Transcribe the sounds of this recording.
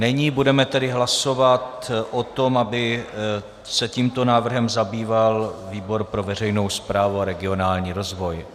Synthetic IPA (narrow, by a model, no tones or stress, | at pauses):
nɛɲiːbudɛmɛt̪ɛdɪɦlaso̞vat̪ʔot̪o̞mabɪ | sɛciːmt̪o̞naːvr̩ɦɛmzabiːvalviːbo̞ɾpɾo̞vɛr̝ɛjno̞wspɾaːvuaɾɛɡɪo̞naːlɲiːɾo̞zvo̞j